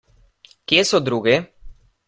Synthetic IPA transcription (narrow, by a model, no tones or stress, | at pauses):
kjesod̪ɾuɡe